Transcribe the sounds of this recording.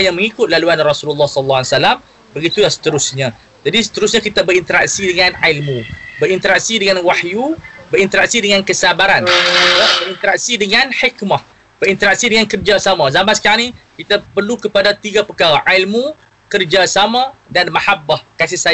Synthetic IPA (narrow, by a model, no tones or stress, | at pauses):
jaŋmə̃ŋikʊt̪̚laluanrɔsululːahsəllːaaisalam | bəɡit̪ujasə̥t̪əɾʊsɲã | d͡ʒadisə̥t̪əɾʊsɲakit̪abəɾint̪əɾa̰k̚sidəŋãnʕalmũbəɾint̪əɾak̚sidəŋanwaħjubəɾint̪əɾak̚sidəŋãnkəsabaɾanit̪abəɾint̪əɾak̚sidəŋãnħikmah | b̥əɾint̪əɾak̚sidəŋankərd͡ʒasamãzamansə̥kaɾanĩkit̪apərlukəpadat̪iɡapəkaɾaʔailmu | kərd͡ʒasamãdanmahabːahkasɪhsa